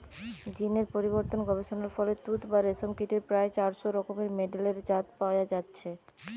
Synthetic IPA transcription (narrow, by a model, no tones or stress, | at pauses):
d͡ʑineɾpoɾiboɾt̪onɡɔbeʃonaɾfɔlet̪ut̪baɾesomkiʈeɾpɾaet͡ɕaɾʃoɾɔkomeɾmeɖeleɾd͡ʑat̪paoad͡ʑatːɕʰe